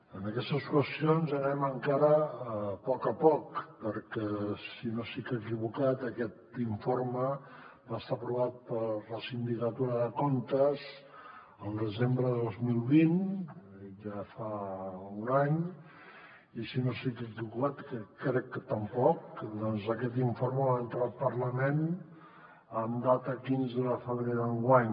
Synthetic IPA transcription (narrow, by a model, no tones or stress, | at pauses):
ənəkɛst̪əskwəst̪ionzənɛməŋkaɾəpɔkəpɔkpəɾkɛsinosikəkiβukat̪əkɛt̪iɱfoɾməbaəst̪apɾuβat̪̚pəɾləsind̪ikət̪uɾəðəkont̪əz | əlˠd̪əzembɾəðəðozmilˠβin | ʒafaunaɲ | isinosikəkikuat̪kəkɾɛkːət̪əmpɔkd̪ɔnzəkɛt̪iɱfoɾməβant̪ɾal̚pərləmen | əmd̪at̪əkinzəðəfəβɾeðəŋɡwaɲ